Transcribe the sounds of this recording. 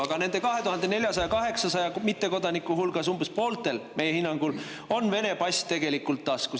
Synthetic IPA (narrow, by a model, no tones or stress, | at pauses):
ɑɡ̥ɑne̞ne̞kɑɦe̞t̪uhɑnd̪e̞ne̞lʲjɑsɑjɑkɑɦe̞ksɑsɑjɑmit̪ːe̞ko̞d̪ɑnikːˑuɦulɡ̥ɑs̬umb̥espo̞ːlt̪e̞lme̞jehinːɑŋɡ̥ul | o̞nve̞ne̞pɑsʲt̪e̞ɡ̥e̞likːˑult̪ːɑsku